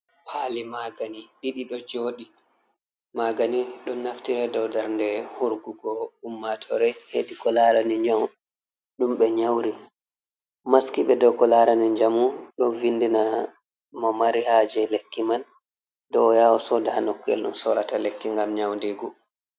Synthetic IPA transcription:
pʰalimaɡaniɗiɗiɗɔd͡ʒoɗi | maɡaniɗɔnnːaftiɾɛdɔwdaɾndɛhuɾɡuɡɔumːatʰɔɾɛheɗikɔlaɾaniɲd͡ʒaw | ɗumɓɛɲawɾi | maskiɓɛdɔwkɔlaɾaniɲd͡ʒamuɗɔvindina | mɔmaɾihad͡ʒɛlekːiman | dɔjawɔsɔdaanɔkːɛ̰lɗṵmsɔɾatalekːiŋɡamɲawndeɡu

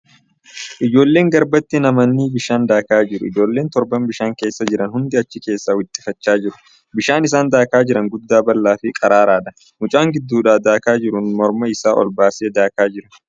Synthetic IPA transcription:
ʔɪd͡ʒo̞ːlːe̞ːŋɡɐɾbɐt̪ːɪnɐmɐnːiːbɪʃaːnd̪aːkaːd͡ʒɪɾʊ̰ɪ̰d͡ʒo̞ːlːe̞ːnt̪ɔɾbɐmbɪʃaːŋke̞ːsːɐd͡ʒɪɾɐnhʊnd̪ɪɐt͡ʃːɪke̞ːsːaːwɪt̪ʼːɪ̥fɐt͡ʃːaːd͡ʒɪɾʊ̥ | bɪʃaːnɪsaːnd̪aːkaːd͡ʒɪɾɐŋɡʊd̪ːaːbɐlːaːfɪkʼɐɾaːɾaːᶑɐ̥ | mʊt͡ʃʼaːŋɡɪd̪ːuːᶑaːd̪aːkaːd͡ʒɪɾʊnmɔɾmɐɪsaːʔɔ̰lbaːseːd̪aːkaːd͡ʒɪɾɐn

